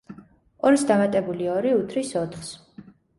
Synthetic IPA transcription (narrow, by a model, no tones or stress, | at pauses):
ɔɾsd̪amat̪ʼɛbuliɔɾiut̪ʰɾisɔt̪ʰχs